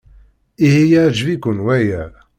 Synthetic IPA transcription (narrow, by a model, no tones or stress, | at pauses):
ihijæd͡ʒvikʷʊnwæjæ